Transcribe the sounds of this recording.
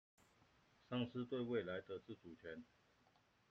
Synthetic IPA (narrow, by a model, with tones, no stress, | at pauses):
ʂɑ˥˧ŋʂɹ̩˥˧t̪we˥˧ɪwe˥˨ɪla˨˧˦ɪt̪ə˧t͡sɹ̩˥˨t͡su˨˩t͡ɕʰɥɛ˨˦n